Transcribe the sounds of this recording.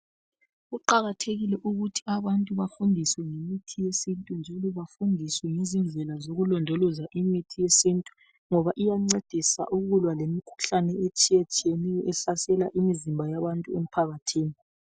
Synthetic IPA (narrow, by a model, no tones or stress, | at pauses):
ɣuǃaɣatʰeɣilɛʔuɣutʰi̥aβantʼuβafundʱiswɛŋemitʰijesintʼund͡ʒʱalɔβafundʱiswɛŋizind͡ɮʱɛlazoɣulɔndʱɔlɔzaʔimitʰijesintʼu̥ | ŋɔβaʔijaŋ͡ǀed̥ʱisa̰ʔuɣulwalemikʰu̥ɬanɛet͡ʃʼijet͡ʃʼijenɛjɔʔɛɬasɛlaʔimizimbʱajaβantʼuem̩pʰaɣatʰiːni